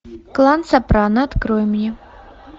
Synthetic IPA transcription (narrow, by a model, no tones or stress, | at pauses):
klˠansapɾanɐɐt̪kɾɔjmnʲɛ